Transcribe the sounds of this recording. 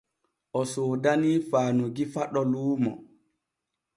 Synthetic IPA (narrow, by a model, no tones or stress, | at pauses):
ʔɔsoːdaniːfaːnuɡifaɗɔluːmɔ